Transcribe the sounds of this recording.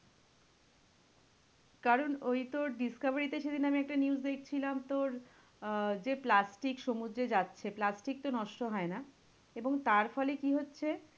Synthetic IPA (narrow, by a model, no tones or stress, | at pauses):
kaɾonojt̪oɾɖiskabaɾit̪eʃed̪inamiɛk̚ʈaniuzd̪ekʰt͡ɕʰilamt̪oɾ | d͡ʑeplasʈikʃomud̪ɾed͡ʑatːɕʰeplasʈik̚t̪onɔʃʈoɦɔena | eboŋt̪aɾfɔlekiɦotːɕʰe